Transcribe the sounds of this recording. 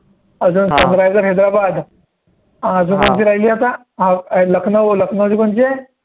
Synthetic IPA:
əd͡zuːnsə̃nɾajzəɾɦed̪ɾabad̪ | ãəd͡zuːnkont͡ɕiːɾaɦiliːat̪a | ɦaləkʰnəʋləkʰnəʋd͡ʑikont͡ɕe

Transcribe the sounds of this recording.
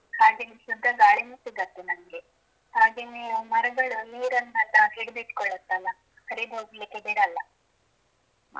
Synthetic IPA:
haːɡenesud̪ʱːɐɡaːɭinuːsiɡɐt̪ːenɐŋɐɡe | haːɡeːnemɐɾɐɡɐɭuliːɾɐnːɐt̪aːɦiɽbeʈkɔɭɐt̪ːɐlːɐ | hɐɾiboːɡlikːebiɽɐlːɐ

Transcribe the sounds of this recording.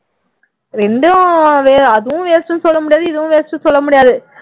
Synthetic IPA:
ɾɛɳɖɯʋeːɐðɯʋʊ̃ʋeːsʈːɯ̃nsɔlːɐmʊɽɪjaːðɯɪðɯʋʊ̃ʋeːsʈːɯ̃sɔlːɐmʊɽɪjaːðɯ

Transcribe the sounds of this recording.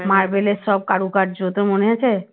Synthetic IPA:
maɾbelesɔb̚kaɽukaʈd͡ʑot̪oɾmoneat͡ɕʰe

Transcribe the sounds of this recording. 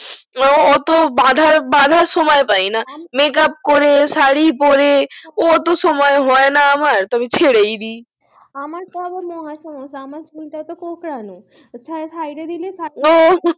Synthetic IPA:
ɔt̪obad̪ʱaɾbad̪ʱaɾʃɔmɔepajnamekap̚koɾesaɽip̬ɔɾeot̪oʃɔmɔeɦɔenaamaɾt̪ɔbit͡ɕʰeɽejd̪i | amaɾt̪oabaɾmɔɦasɔmõsamaɾsmiʈat̪okokɾanu | sasajɖed̪iliesao

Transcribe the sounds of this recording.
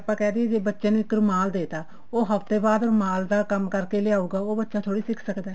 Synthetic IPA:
əpːãːkɛːd̪iɛːd͡ʒeːbətːʃẽːnuːɪkəɾmaːld̪eːt̪aː | oːɦəft̪eːbaːd̪oːɾmaːld̪aːkəmkəɾkeːlɪjaːuːɡaːoːbətːʃaːt̪ʰoːɽiːsɪkʰsəkd̪ɛː

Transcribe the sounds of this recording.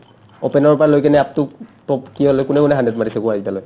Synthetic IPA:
opɛnɔɹpɔɹalojkɛnɛap̚tʊtɔpkiɦolɔjkʊnɛkʊnɛɦandɛtmatisɛkuazitaloj

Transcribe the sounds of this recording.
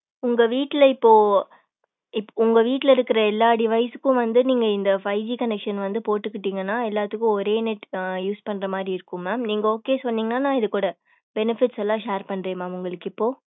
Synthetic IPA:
ʊŋɡɐʋiːʈːɪlɐɪpːoː | ɪpːʊŋɡɐʋiːʈːɪlɐɪɾɯkːɪɾɐɛlːaːɖɪʋɐɪsɯ̥kːʊ̃ʋɐnd̪ɯniːŋɡɐɪnd̪ɐfɐɪd͡ʒikɐnɛkʂɐnʋɐnd̪ɯpoːʈːɯkːɪʈːiːŋɡɐnːãːɛlːaːt̪ːɯkːʊ̃ɔɾeːnɛʈjuːspɐnːɾɐmaːd̪ɾiɪɾɯkːʊ̃maːmniːŋɡɐoːkːeːsɔnːiːŋɡɐnaːnãːɪðɯkuːɽɐ | bɛnɪfɪʈsɛlːãːʂeːɾpɐɳːɾẽːmaːmʊŋɡɐɭɯkːɪpːoː

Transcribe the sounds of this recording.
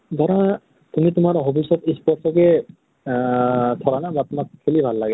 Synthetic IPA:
d̪ʱɔɹa | t̪umit̪ʊmaɹɦobisɔt̪espɔɾsɔkɛ | t̪ʰɔɹanabat̪umakkʰːelibʱalːaɡɛ

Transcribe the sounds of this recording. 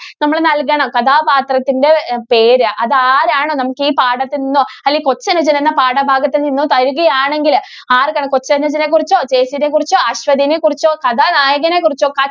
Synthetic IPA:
nɐmːɐɭnɐlkɐɳɐmkɐd̪ʱaːpaːt̪rɐt̪ːinde̞pe̞ːɾɨʔɐðɨaːɾaːɳoːnɐmukːɨiːpaːɽɐt̪ːeninːoːɐlːiːko̞t͡ɕːɐnɐd͡ʑɐnenːɐpaːɽɐbʱaːɡɐt̪ːeninːut̪ɐɾuɣɐjaːɳe̞ŋɡil | aːrkɐɳɐmko̞t͡ɕːɐnɐd͡ʑɐnekːurit͡ɕːoːt͡ɕe̞ːsinek̬urit͡ɕːoːɐɕʋɐd̪inekurit͡ɕːoːkɐd̪ʱanaːjɐɣɐnekurit͡ɕːoːkɐ

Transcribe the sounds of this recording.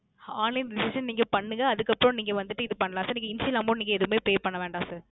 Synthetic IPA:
aːnlɐɪnɖɪsɪʂɐnniːŋɡɐpɐɳːɯŋɡɐɐðɯkːɐpːɾɔ̃niːŋɡɐʋɐnd̪ɯʈːɯɪðɯpɐɳːɐlãːsɐːɾniːŋɡɐɪnsɪlaːmpɾõniːŋɡɐɛðɯmeːpeːpɐɳːɐʋeːɳɖãːsɐːɾ

